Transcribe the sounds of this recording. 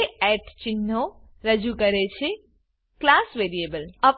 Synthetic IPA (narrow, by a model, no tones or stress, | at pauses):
eɛʈt͡ʃɪnːo | ɾəd͡ʒukəɾet͡ʃʰe | klasʋeɾiebələp